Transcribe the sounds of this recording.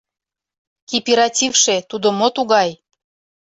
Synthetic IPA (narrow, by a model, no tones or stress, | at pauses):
kipiɾɑtʲivʃet̪ud̪omot̪uɣɑj